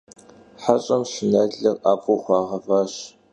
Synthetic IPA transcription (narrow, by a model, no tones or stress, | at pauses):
ħaɕʼɐmɕɪnɐɮɮɐraːpʰuːχʷɑːʁɐvaːɕ